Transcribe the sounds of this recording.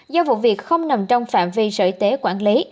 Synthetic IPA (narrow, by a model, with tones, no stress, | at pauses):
zɔ˧vṵ˧˨vi˨˩ək̚xə˧wŋ͡mnə˨˩mt͡ɕɔ˧wŋ͡mfa̰ː˧˨mvi˧sə̰ː˧˩jt̪e˨˦kwaː˧˩nli˨˦